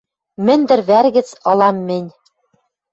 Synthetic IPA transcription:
mɘ̆nd̪ɘ̆ɾβærɣɘ̆t͡sɤ̆lˠɑmːɘ̆nʲ

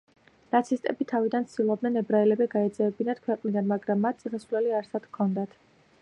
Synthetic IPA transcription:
nat̪sʰist̪ʼɛbit̪ʰavid̪ant̪sʰd̪̥ilˠɔb̚d̪nɛnɛbɾaɛlɛbɛɡaɛd̪zɛvɛbinat̪kʰwɛqʼnid̪anmaɡɾamːat̪̚ʰt̪sʼisasvlɛliaɾsad̪̥kʰɔnd̪at̪ʰ

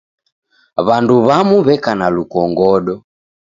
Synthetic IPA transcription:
βanduβamuβɛkanalukɔŋɡɔɗɔ

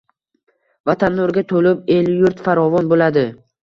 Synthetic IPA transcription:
vat̪ʰanːoɾɡʲat̪ʰolɪpe̞ljʊɾt̪faɾɒvɒnbolad̪ɪ

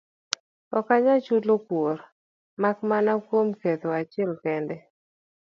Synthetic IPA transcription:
ɔkaɲat͡ʃulokwoɾ | makmanakwomket̪oat͡ʃɪɛlkɛndɛ

